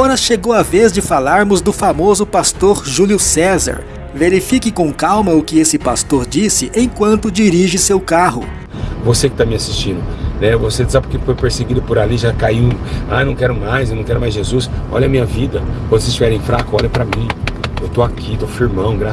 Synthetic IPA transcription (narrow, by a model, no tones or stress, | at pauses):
ɔɾɐʃeɡowɐvezd͡ʒɪfalaɾmʊzd̪ʊfamozʊpast̪oɾʒuljʊsɛza̰ɾ | veɾifikɪkõkawmɐʊkɪesɪpast̪oɾd͡ʒisɪʔẽj̃kwɐ̃nt̪ʊd͡ʒiɾiʒɪsewkaɦʊ̰ | vosekɪ̥t̪amɪasist͡ʃĩnd̪ʊnɛvosed̪zapʊɾkefojpeɾseɡid̪ʊpʊɾaliʒakaiwa̰jnɐ̃w̃kɛɾʊmajsewnɐ̃w̃kɛɾʊmajzʒezusɔ̰ʎɐamĩɲɐvid̪ɐkɐ̃nd̪ʊsest͡ʃivɛɾẽj̃fɾakʊɔʎɐpɾɐmĩewt̪oakʰit̪ofiɾmɐ̃w̃ɡɾa